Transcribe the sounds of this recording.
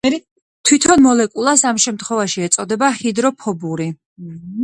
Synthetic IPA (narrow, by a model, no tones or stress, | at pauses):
t̪ʰwit̪ʰɔnmɔlɛkʼulˠasamʃɛmt̪ʰχwɔvaʃiɛt̪sʼɔd̪ɛbahid̪ɾɔpʰɔbuɾi